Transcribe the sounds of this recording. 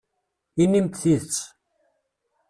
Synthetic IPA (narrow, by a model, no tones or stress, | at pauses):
inːimt̪θiðt͡sː